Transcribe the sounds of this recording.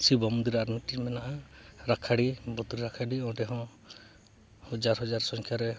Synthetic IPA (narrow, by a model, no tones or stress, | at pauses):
sibɔmɔd̪iɾaɾmiʈimɛnaʔaɾakʰaɽibɔd̪ɾiɾakʰaɖiɔ̃ɖɛɦɔ̃ | hɔd͡ʒaɾɦɔd͡ʒaɾsɔ̃ŋkʰjaɾɛ